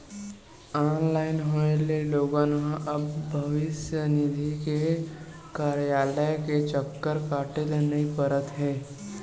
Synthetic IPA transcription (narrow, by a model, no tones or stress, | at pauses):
ɔːnlaːɪnɦoeleloːɡãːnɦãʔɐbːʱɐʋɪsjənɪd̪ʱike | kaːɾjaːləjket͡ʃəkːəɾkaːʈelenɐipəɾət̪ɦɛː